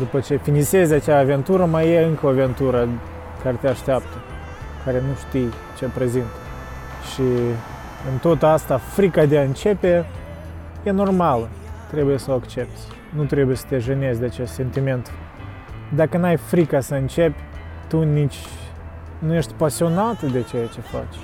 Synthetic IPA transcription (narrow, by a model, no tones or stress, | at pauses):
d̪upət͡ʃe̞finise̞zʲat͡ʃaːve̞nt̪uɾəmajeɨŋkəoave̞nt̪uɾə | kaɾet̪eaʃt̪eap̚t̪ə | kaɾe̞nuʃt̪ij | t͡ʃe̞pɾe̞zint̪ | ʃi | ɨnt̪o̞t̪əast̪afɾikad̪eaɨnt͡ʃe̞pe̞ | je̞no̞rmalət̪ɾe̞buje̞səoakt͡ʃe̞p̚t̪sʲ | nut̪ɾe̞bujesə̥t̪eʒəne̞zʲd̪eat͡ʃest̪se̞nt̪ime̞nt̪ | d̪akənuajfɾikasəɨnt͡ʃe̞pʲt̪unit͡ʃʲ | nuje̞ʃt̪ʲpasio̞nat̪əd̪e̞t͡ʃejat͡ʃe̞fa̰t͡ʃʲ